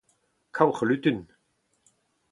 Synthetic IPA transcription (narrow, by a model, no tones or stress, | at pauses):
kʰawχlʉt̪ʏn